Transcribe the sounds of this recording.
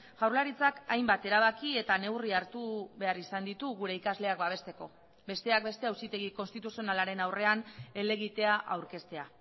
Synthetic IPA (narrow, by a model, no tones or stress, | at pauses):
ɣawɾlaɾit͡sakajmbat̪e̞ɾaβ̞akie̞t̪ane̞wriaɾt̪uβe̞arisand̪it̪uɣuɾe̞ikazle̞akbaβ̞e̞st̪e̞ko̞ | be̞st̪e̞ak̚be̞st̪e̞awsit̪e̞ɣ̞iko̞nst̪it̪usio̞nalaɾe̞nawre̞ane̞le̞ɣ̞it̪e̞aʔawɾke̞st̪e̞a